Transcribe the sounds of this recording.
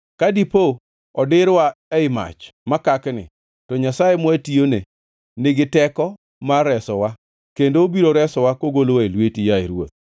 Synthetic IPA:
kadipo | ɔdɪɾwaɛɪma̰t͡ʃmakaknɪ̰ | tɔɲasajemwatione | nɪɡɪtɛkɔ | maɾɛsɔwa | kendoobiɾoɾɛsɔwakoɡolowaelwetijaeɾwo̰t̪̚

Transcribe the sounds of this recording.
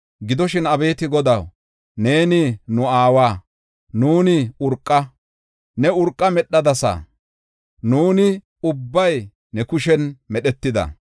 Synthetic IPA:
ɡɪd̪ɔʃɪnɐbe̞ːt̪ɪɡɔd̪ɐw | ne̞ːnɪnʊaːwaː | nuːnɪʊɾkʼːɐ | nɛʊɾkʼːɐmɛɗːɐd̪ɐsa̰ | nuːnɪ | ʊbːɐj | nɛkʊʃɛnmɛɗɛt̪ːɪd̪ɐ̰

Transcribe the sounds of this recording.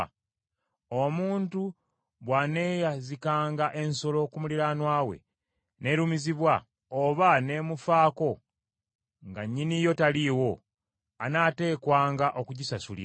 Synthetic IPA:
omuːntu | βwane̞jazikaːŋɡaʔe̞nso̞lo̞kumuliɾanwaːwe̞̰ | ne̞ɾumiziβwa | oβane̞ːmufaːko̞ | ŋɡaɲːinijo̞taliwo̞ | anaːte̞ːkwaːŋɡaʔo̞kuɟisasulḭ

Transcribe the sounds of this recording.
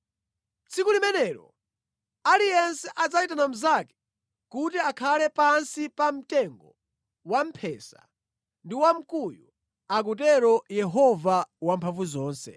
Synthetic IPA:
t͡sʰikulimɛnɛːɾɔ̰ | alijɛnsɛʔad͡zaitanam̩zakɛ̥ | kutiakʰalɛpansipam̩tɛŋɡɔ | wam̩pʰɛːsa̰ | ndiwam̩kuju | ak̬ut̬ɛɾɔjɛɦɔvawampʰaɱvuzɔːnsɛ̰

